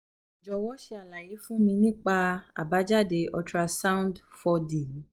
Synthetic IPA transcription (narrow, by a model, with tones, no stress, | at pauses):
d͡ʒɔ˨wɔ˦ʃe˧a˨la˨je˨˦fũ˦mĩ˧nĩ˦k͡pa˧a̰˨ba˨˦d͡ʒa˦˨de˧ɔ˧tɾa˧sa˦ũ˦ndfɔ˧dĩ˨˦